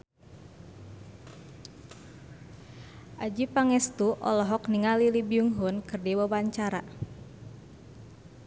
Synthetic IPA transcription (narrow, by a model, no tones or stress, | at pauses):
ʔad͡ʒipaŋɛst̪uʔɔ̰lɔɦɔkniŋalilibiuŋɦunkɨrdibabaɲt͡ʃaɾa